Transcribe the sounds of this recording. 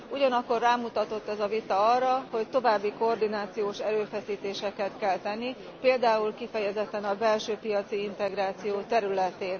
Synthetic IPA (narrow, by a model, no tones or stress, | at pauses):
uɟɒnɒkːo̞rːaːmut̪ɒt̪o̞t̪ːɛzɒvit̪ɒɒrːɒho̞ct̪o̞vaːbːiko̞ːrd̪inaːt̪sijoːʃɛɾøːfɛsiːt̪eːʃɛkɛt̪kɛlt̪ɛnːi | peːld̪aːulkifɛjɛzɛt̪ːɛnɒbɛlʃøːpijɒt̪siint̪ɛɡɾaːt̪sijoːt̪ɛɾylɛt̪eːn